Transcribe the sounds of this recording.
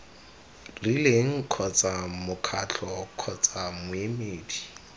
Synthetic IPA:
rileŋ̩kʰɔt͡sʼamʊkʰat͡ɬʰɔkʰɔt͡sʼamʊemeːdi

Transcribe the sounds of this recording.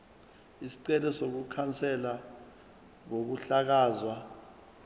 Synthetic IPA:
isi̥ǀɛlɛsok̬ukʰant͡sʰʼɛla | ŋ̬ok̬uɬak̬aːzwa

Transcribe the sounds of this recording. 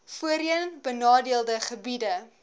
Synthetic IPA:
fuəɾiənbənɑːdiəlˠdəχəbidə

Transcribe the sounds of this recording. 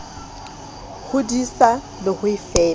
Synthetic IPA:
hʊdisa | lɪhʊifɛː

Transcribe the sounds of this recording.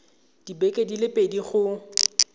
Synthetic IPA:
d̥ibɛkʼedilɪpʼediχʊ

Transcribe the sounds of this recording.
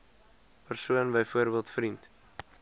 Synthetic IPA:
pərsuənbəjfuəɾbiəlˠtfrint

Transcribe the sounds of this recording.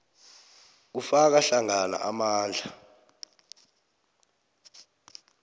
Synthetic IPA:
ufak̬aɬaŋana̰ʔamaːnd͡ɮʱa

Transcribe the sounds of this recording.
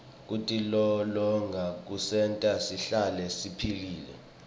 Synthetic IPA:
k̬utʼilɔlɔŋɡʱak̬usɛntʼasiɬalɛsipʰiliːlɛ̰

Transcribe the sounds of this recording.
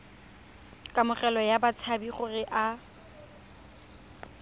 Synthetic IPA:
kʼamʊχɛlɔjabat͡sʰabiχʊrɪʔa

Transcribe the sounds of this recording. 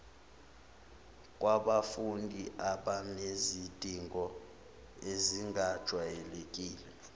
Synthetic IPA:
kʼwaɓafundʱiʔaɓanezid̥ʱiŋʱɔ | eziŋɡʱad̥ʒ̥ʱwajɛlekʼiːlɛ

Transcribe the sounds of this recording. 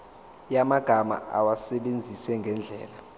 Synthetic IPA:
jamaɡ̥ʱama̰a̰wasɛɓend͡zʱisɛŋɡʱɛnd͡ɮʱɛ̰ːla

